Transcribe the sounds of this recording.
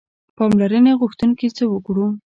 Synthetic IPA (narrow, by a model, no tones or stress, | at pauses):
pɑmlaɾəneɣʊxt̪unkit͡səwəkɽu